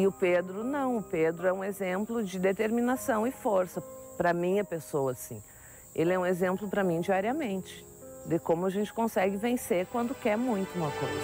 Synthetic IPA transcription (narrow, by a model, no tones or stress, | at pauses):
ɪʊped̪ɾʊnɐ̃w̃ʊped̪ɾʊɛũezẽmplʊd͡ʒɪd̪et̪eɾminasɐ̃w̃ɪfoɾsɐpɾɐmĩɐpesowɐsḭ̃ | elɪɛũezẽmplʊpɾɐmĩd͡ʒiaɾiɐmẽnt͡ʃɪ̥ | d̪ɪkõmʊaʒẽnt͡ʃɪ̥kõsɛɡɪvẽseɾkwɐ̃nd̪ʊkɛɾmũj̃t̪ʊũmɐkojzɐɐ